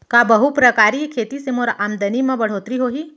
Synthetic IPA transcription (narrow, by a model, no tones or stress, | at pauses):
kaːbɐɦupɾəkaːɾikʰeːt̪isemoːɾaːmd̪ənimẽbɐɽ̤oːt̪ɾiɦoːɦiː